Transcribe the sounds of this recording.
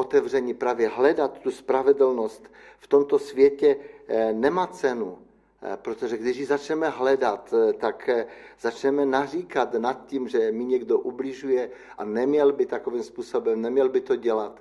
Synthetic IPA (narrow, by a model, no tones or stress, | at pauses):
ʔot̪ɛvrɛɲipɾaːvjɛɦlɛdat̪ːuspɾavɛdl̩nost̪ | ft̪omt̪osvjɛcɛnɛmaːt͡sɛnu | pɾot̪oʒɛɡdɪʃjizat͡ʃnɛmɛɦlɛdat̪t̪ːakz̥at͡ʃnɛmɛnariːkat̪nat̪̚cimʒɛmɪɲɛɡdoʔublɪʒujɛ | ʔanɛmɲɛlbɪt̪akovimspuːsobɛmnɛmɲɛlbɪt̪oɟɛlat̪